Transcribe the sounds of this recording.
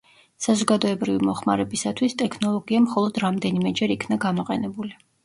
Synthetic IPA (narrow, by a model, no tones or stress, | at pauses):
sazɔɡad̪ɔɛbɾivimɔχma̰ɾɛbisat̪ʰwist̪ʼɛkʰnɔlˠɔɡiamχɔlˠɔd̪ɾamd̪ɛnimɛd͡ʒɛɾikʰnaɡamɔqʼɛnɛbuli